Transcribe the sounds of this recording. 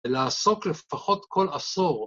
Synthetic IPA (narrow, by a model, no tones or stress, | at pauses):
laːso̞klefaχo̞t̪kʰo̞laso̞ʁ